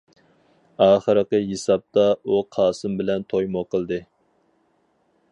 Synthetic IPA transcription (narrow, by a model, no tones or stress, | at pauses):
ɑːχəɾəqəɦesɑp̚t̪ɑuqʰɑːsɨmbɪlɛnt̪ʰojmoqəlˠd̪ɨ